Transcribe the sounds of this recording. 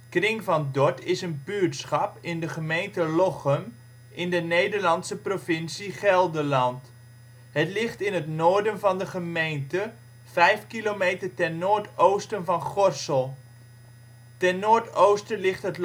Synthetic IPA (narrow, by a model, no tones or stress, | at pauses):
krɪŋvɑndɔtɪsənbytsχɑpɪndəχəmejntəloχəm | ʔɪndənejdəɹlɑnsəprofɪnsiχɛlˠdəlɑnt | hətlɪχtɪnətnoːɹdənvɑndəχəmejntə | fɛjfkilomeːtərtɛnoːɹtowstənvɑnχɔrsəlˠ | tɛnnːoːɹtowstəlɪχtɦət